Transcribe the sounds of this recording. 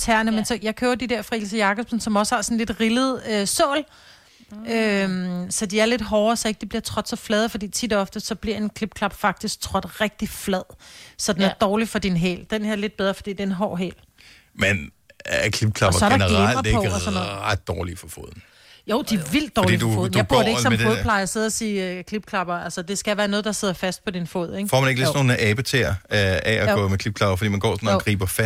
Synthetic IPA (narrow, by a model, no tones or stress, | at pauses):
t͡sʰæɐ̰nəmensɒ̽jɑ̈ɪkʰøʊɐd̥ideɐfʁɑelsəjɑ̈ɡ̥ɒb̥sn̩sɒ̽mɒ̽səhɑ̈sɒ̽n̩le̝d̥ʁiləð̩ˠøsɔːl | ømsɒ̽d̥iæɐle̝d̥ɦɒːɐsɒ̽eɡ̥əd̥ibliɐt͡sʰʁɒd̥sɒ̽flɛðˠfɒ̽d̥ḭːt͡sʰid̥ɒ̽fd̥əsɒ̽b̥liɐ̰e̝nkʰlib̥̚kʰlɑ̈b̥fɑ̈ɡ̥̚d̥isɡ̥̚t͡sʰʁɒ̽d̥ʁɛɡ̥̚d̥iflɛð̰ˠsɒ̽d̥enæɐd̥ɒːlifɒ̽d̥inɦɛ̰ːld̥enheɐle̝d̥̚b̥eð̞ˠʁɐfɒ̽d̥ḭːd̥e̝enɦɒ̰ːɦɛ̰ːl | men | kʰlib̥̚kʰlɑ̈b̥ɐsɒɐ̥ɾɑnəʁʁailɐdeɡɔnːad̥ːɒːlifɒfo̝ð̰ˠn̩ | joʊ̰d̥iæʋil̰d̥ɒːdidɔfo̰ð̰ˠndab̥ɐ̰de̝ɡsɒ̽mdoð̩ˠpʰlɑ̈ɪɐse̝ðˠɐsiːkʰlib̥̚kʰlɑ̈b̥ɐælsəd̥e̝sɡ̥æʋæːɐnɔ̽ːð̩ˠd̥ɑ̈se̝ð̞̰ˠɐfæsd̥̚pʰɒ̽d̥info̝̰ð̰ˠeɡ̥fɒ̰ːmæne̝ɡ̥lisdno̝ːnʔɛːb̥ət͡sʰeɐʔɛæɡɔ̰̽ːmekʰlib̥̚kʰlɑ̈b̥ɐfɒ̽dḭːmænɡ̥ɒ̰ːsɔnɡʁḭːb̥ɐfæ